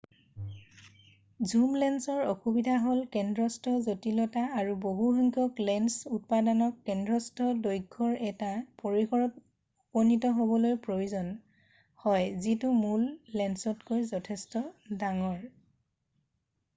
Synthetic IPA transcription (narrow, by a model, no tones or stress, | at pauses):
zumlɛnsɔɹoxubidʱaɦolkɛndɹɔstʰɔzotilɔtaːɹuboɦuɦɔŋkʰɔklɛnsut̚padɔnɔkːɛndɹɔstɔdojɡʱːɔɹɛtapoɹixɔɹɔt | upɔnitɔɦobɔlojpɹoizɔn | hɔjzitʊmulːɛnsɔtkojzɔtʰɛstɔdaŋɔɹ